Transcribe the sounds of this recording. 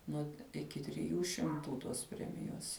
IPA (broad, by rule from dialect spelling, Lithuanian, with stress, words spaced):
nuɔ ɪˈkʲɪ tʲrʲɪˈjuː ʃʲɪmˈtuː toːs ˈpʲrʲæːmʲɪjoːs